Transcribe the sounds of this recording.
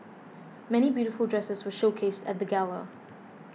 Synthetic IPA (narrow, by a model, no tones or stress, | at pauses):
mɛñibjʉɾɪfəlˠdɹɛsəzwəʃoʊkʰestʰət̚ðəɡalə̰